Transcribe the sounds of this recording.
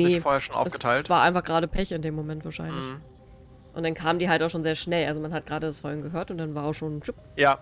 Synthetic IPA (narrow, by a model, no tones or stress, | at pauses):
neːfoːhɛɐʃoːnʔa̰ʊɛsɡ̥ətʰaɪltv̥aːɐʔaɪnfaχɡ̥ʁaːɾəpʰɛçɪndeːmːomɛntv̥aːɐʃa̰ɪnnlɪç | ʔʊ̰ntd̥ankʰaːməndiːɦaltaʊxʃoːnzeːɐʃnɛlʔalzomanhat̚ɡ̥ʁaːdədashɔʏnɡəɦøːɐtʊntd̥anvaːɐaʊxʃoːnt͡ʃʊp̚ | jaː